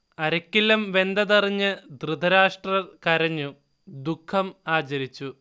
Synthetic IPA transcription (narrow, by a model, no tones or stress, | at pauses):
ɐɾɐkːilːɐmʋe̞nd̪ɐðɐriɲːɨd̪rɨd̪ʱɐɾaːʂʈrɐrkɐɾɐɲːu | d̪ukʰːɐmaːt͡ɕɐɾit͡ɕːu